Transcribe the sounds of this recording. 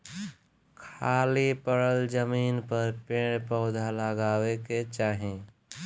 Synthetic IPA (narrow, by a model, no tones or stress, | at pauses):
kʰaːlipəɽəld͡ʒəmiːnpəɾpeɽ̃pəːd̪ʱaləɡaːweket͡ʃaːɦẽ